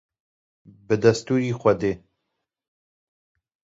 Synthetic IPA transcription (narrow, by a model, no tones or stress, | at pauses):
bɨd̪ɐst̪uːɾiːxʷɐd̪eː